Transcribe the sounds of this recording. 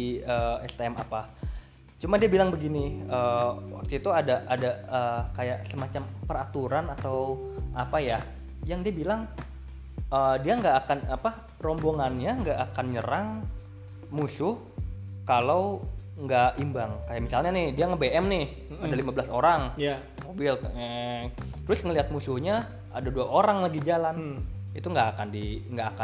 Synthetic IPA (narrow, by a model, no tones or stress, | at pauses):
əɛst̪ɛma̰pa | t͡ʃumadiabilaŋbəɡiniəːwa̰k̚t̪uit̪uadaʔadaəːkajaʔsəmat͡ʃampəɾat̪uɾanat̪awʔapaja | jaŋdiabilaŋ | ʔədiaŋɡaʔːkanapa | ɾɔmboŋanɲaŋɡaʔakanɲəɾaŋ | musʊh | kalaw | ŋɡaʔimbaŋkajamisalɲanɪhdiaŋəbeʔɛmnɪh | adalimablasoɾaŋj | mobɪl | t̪əɾʊsŋəliɦat̪̚musʊhɲa | a̰daduaʔoɾaŋlaɡid͡ʒalan | it̪uŋɡaːkandiŋɡaʔaka